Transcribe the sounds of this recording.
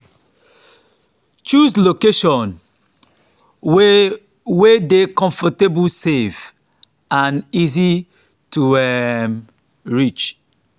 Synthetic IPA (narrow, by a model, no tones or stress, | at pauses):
t͡ʃuslokeʃɔ̃n | wedekɔ̃ɱfɔtebusev | ãnizi | tuɛm | ɹit͡ʃ